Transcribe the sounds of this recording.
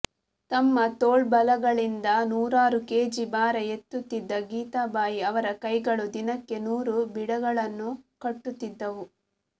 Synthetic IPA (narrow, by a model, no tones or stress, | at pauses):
t̪ɐmːɐt̪oːɭbɐlɐɡɐɭind̪ɐnuːɾaːɾuke̞ːd͡ʒibaːɾɐe̞t̪ːut̪ːid̪ːɐɡiːt̪aːbaːjiɐʋɐɾɐkɐjɡɐɭud̪inɐkːe̞nuːɾubiɽɐɡɐɭɐnːukɐʈːut̪ːid̪ːɐʋu